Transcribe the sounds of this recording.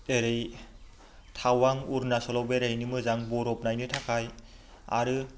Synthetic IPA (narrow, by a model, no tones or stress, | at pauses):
eɾej | tʰawaŋuɾnasɔlɔwbeɾejnɯmɯzaŋbɔɾɔpnajnɯtʰakʰaj | a̰ɾɯ